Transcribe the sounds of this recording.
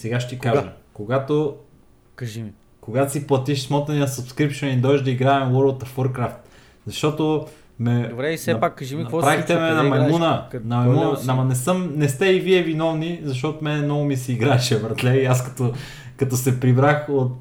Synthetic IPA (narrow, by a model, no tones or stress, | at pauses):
sɛɡaʃt̪ʲikaʒɐkoɡat̪o | kʒi | koɡat̪osiplˠɐt̪iʃsmɔt̪nɐniəsɐpskɾipʃɛnind̪ɔʒd̪ɐiɡɾaɛmwoɾlˠt̪ɐfoɾkɾaft̪ | zɐʃt̪ɔt̪o | mɛɾsɐpaʒinɐpait̪ɛmɛnɐmɐmunɐnɐmɐmunamɐnɛsɤmnɛst̪ɛiviɛvinɔvnizɐʃ̬t̪ɔt̪omɛnɛmnɔɡʊmisiːɡɾaɛʃɛbɾɐt̪lʲɛiaskɐt̪o | kɐt̪ɔsɛpɾibɾaxot̪